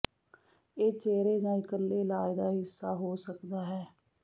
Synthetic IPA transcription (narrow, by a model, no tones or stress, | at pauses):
eːt͡ʃeːɾeːd͡ʒãːɪkəlːeːlaːd̪aːɦɪsːaːɦoːsəkd̪aːɦɛː